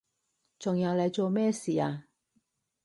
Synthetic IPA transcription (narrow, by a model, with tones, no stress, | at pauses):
t͡sʊ˨˩ŋjɐ˨˧wlɐ˨˧jt͡so˨˧wmɛ˥˩si˨˦a˧